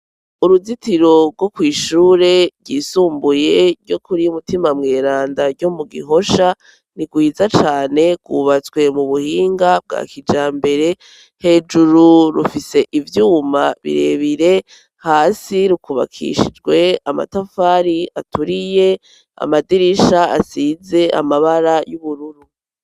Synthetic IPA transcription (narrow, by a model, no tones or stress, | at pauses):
uɾuzitiɾo̞ɾɡwo̞kwiːʃuːɾe̞ɟiːsuːmbuje̞ɾɟo̞kʰuɾijumutimamŋe̞ːɾaːndaɾɟo̞muɡḭɦo̞ʃa | niɡwiːzat͡ʃaːne̞ɡ̥wṵβat͡sɡwe̞muβuhiːŋɡab̚ɡa̰ːkid͡ʒaːmbe̞ɾe̞ | he̞ːd͡ʒuɾuɾṵfise̞ʔivjuːmaβḭɾe̞βiɾe̞ | haːsiɾukuβa̰kʰḭʃid͡ʒɡwe̞ama̰tafaːɾia̰tuɾije̞ | a̰madiɾiʃaasiːze̞ʔa̰maβaɾajuβuɾuɾu